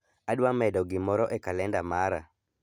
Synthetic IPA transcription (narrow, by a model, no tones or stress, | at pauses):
adwamɛdɔɡɪmɔɾɔʔɛkalɛndamaɾa̰